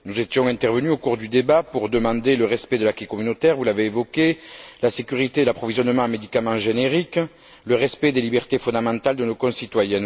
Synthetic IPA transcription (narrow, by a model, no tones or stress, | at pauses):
nuzet̪jɔ̃ɛ̃t̪ɛʁvənyokuʁd̪yd̪ebapuʁd̪əmɑ̃d̪eləʁɛspɛd̪əlakikɔmynot̪ɛʁvulaveːvɔkelasekyʁit̪elapχɔvizjɔnmɑ̃əmed̪ikamɑ̃ʒeneʁik | ləʁɛspɛd̪elibɛʁt̪efɔ̃d̪amɑ̃t̪ald̪ənokɔ̃sit̪wajɛ̃